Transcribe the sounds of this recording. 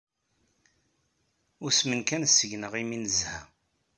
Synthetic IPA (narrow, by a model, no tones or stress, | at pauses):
ʊɾsmənkænsːəʝnəʁiminəzhæ